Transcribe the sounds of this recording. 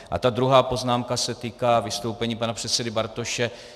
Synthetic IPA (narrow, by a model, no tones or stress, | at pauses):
ʔa̰t̪ad̪ɾuɦaːpo̞znaːmkasɛt̪iːkaːvɪst̪o̞wpɛɲiːpanapr̥ɛt̪sɛdɪbaɾt̪o̞ʃɛ